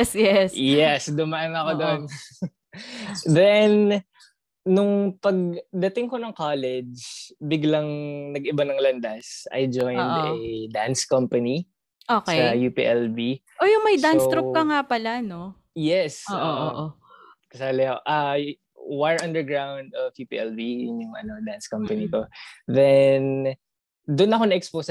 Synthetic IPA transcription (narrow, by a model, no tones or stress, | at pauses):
ɛsjɛsjɛsd̪ʊmɐʔɐnɐkod̪on | d̪ɛn | nʊŋpɐɡ̚d̪ɐt̪ɪŋkonɐŋkalɛd͡ʒd͡ʒbɪɡlɐŋnɐɡɪbanɐŋlɐnd̪ɐsɐ̰jd͡ʒojnd̪ɛd̪anskɐmpɐni | ʔoksɐjupḭʔɛlbi | ʔojʊŋmɐjd̪anst̪ɾʊp̚kɐŋapɐlano | jɛsooːʔoʔo | kɐsaːlɛɐoʔa | waɹɐ̃nd̪ɛɹɡɹawnd̪ɔvjupḭʔɛlbijʊnjʊŋɐ̰no̞d̪anskɐmpɐnikoðɛn | d̪ʊnɐkonɐʔɛkspos